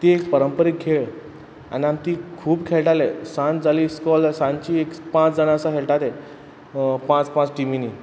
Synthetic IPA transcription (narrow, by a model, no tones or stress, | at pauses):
t̪iekpəɾəmpəɾikʰːeɭ | a̰niamt̪iːkʰuːbkʰeɭʈalesãnt̪d͡zaliːskɔlsãnt͡ɕiːekpãt͡sd͡zəɽãəsaɦeɭʈat̪e | pãt͡spãt͡sʈimini